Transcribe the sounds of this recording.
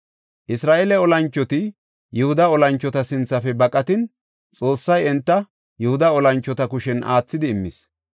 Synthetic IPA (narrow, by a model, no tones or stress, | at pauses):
ʔɪsɾaːʔeːlɛɔlɐnt͡ʃːɔt̪ɪ | jʊhʊd̪ɐɔlɐnt͡ʃːɔt̪ɐsɪnt͡sːɐfɛbɐkʼɐt̪ɪn | t͡sʼo̞ːsːɐjɛnt̪ːɐ | jʊhʊd̪ɐɔlɐnt͡ʃːɔt̪ɐkʊʃɛnʔa̰ːt͡sːɪd̪ɪːmːɪs